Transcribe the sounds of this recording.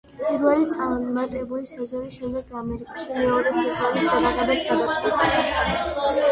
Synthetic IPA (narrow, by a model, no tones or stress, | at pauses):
pʼiɾvɛlitt̪sʼamat̪ʼɛbulisazɔɾiʃɛmd̪ɛɡamɛɾikʼaʃimɛɔɾɛsazɔɾisɡ̪ad̪aʁɛbasɡad̪at̪sʼqʼwɛt̪ʼɛs